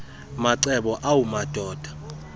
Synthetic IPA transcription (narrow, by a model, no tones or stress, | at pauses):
maǀɛɓɔʔawumad̥ʱɔːd̥ʱḁ